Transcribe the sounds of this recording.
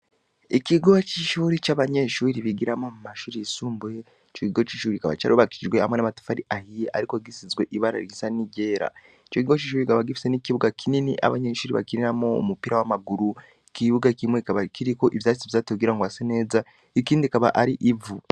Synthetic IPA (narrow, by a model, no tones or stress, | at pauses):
ekiɡoat͡ʃiʃuːɾit͡ʃaβaɲeʃuːɾiβiɡiɾamomumaʃuːɾisuːmbue | t͡ʃokiɡociʃuːɾikaβa̰t͡ʃa̰ɾoβakiiʒweha̰mwenamatu̥faɾiʔahijeʔa̰ɾikoɡisizɡweʔiβaɾa̰ɾiisaniɟeːɾa̰ | t͡ʃokiɡoat͡ʃiʃuːɾikaβaɡifi̥senikiβuɡakʰininiʔa̰βaɲeʃuːɾiβa̰kiɾiɾamo̰ːmupiɾawamaɡuɾu | kiβuɡakimwekaβakʰiɾikoʔiβjaːisiβvzaːtoɡiɾaŋɡwasene̞ːza | ekiːndikaβa̰ʔaɾiʔivu